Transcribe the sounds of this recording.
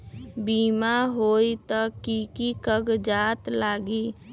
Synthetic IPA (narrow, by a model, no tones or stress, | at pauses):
biːmaɦoːit̪ɔkikikəɡd͡ʒaːt̪laːɡi